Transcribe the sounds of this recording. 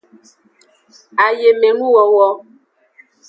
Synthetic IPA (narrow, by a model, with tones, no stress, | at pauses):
a˨je˨me˨ŋu˦wɔ˨˦wɔ˦